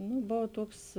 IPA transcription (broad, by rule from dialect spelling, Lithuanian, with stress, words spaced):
nʊ ˈboːw ˈtuɔks